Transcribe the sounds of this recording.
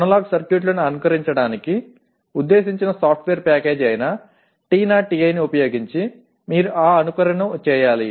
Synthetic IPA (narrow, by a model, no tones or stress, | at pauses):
ɐnɐlaːɡsɐɾkjuʈ̬lɐnuɐnukɐɾiɲt͡ʃɐɽaːniki | ud̪ːeːsiɲt͡ʃinɐsaːp̚ʰʈʋeːɐɾpaːkeːd͡ʒɐjnɐ | ʈiːnaːʈiɐjniupɐjo̞ːɡiɲt͡ʃi | miːɾuʔaːɐnukɐɾɐɳɐt͡ʃːɛːjaːli